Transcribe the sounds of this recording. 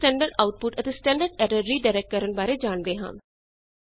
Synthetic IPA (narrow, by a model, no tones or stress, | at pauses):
ʈɛ̃ːɳɖəɾɖaːʊʈ̚pʊʈət̪eːsʈɛ̃ːɳɖəɾɖɛːɖəɾiːɖaːɪɾɛːk̚ʈ̚kəɾəɳbaːɾeːd͡ʒaːɳd̪eːɦə̰̃ːn